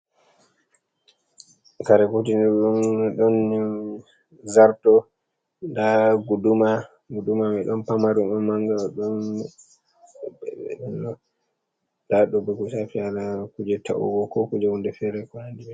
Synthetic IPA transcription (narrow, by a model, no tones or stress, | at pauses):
kaɾɛkotinɗunɗɔn | zaɾtɔ | ndaɡuduma | ɡudumamɛɗɔnpamaɾumɔmaŋɡaɗɔn | ɗɔn | daɗɔbɛkusafialakud͡ʒɛtʰa̰ʔṵɡɔkɔkud͡ʒɛhundɛfɛɾɛkɔnandibɛ